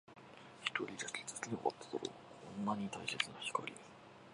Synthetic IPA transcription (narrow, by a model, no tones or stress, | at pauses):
çi̥t̪o̞ɾʲid̪asi̥t͡sɨ̥sinʲeʔot̪ːo̥soɾo̰kʰõnːaɲ̟it̪aise̞t͡sɨnaçi̥ko̰ɾʲie